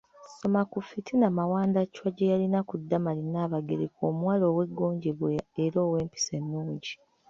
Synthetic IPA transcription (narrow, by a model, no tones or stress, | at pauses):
so̞makufitʰinamawaːndaciwaɟejalinakudːamalinaːβaɡḛɾeko̰ːmwaːlo̞ːwe̞ɡːoːɲɟeβweeɾoːwe̞ːmpi̥se̞nːuːɲɟi